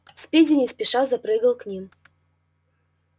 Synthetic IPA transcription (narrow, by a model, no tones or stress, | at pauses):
spʲed͡zʲɪnʲɪsʲpʲiʂazapɾɨɡəlˠknʲim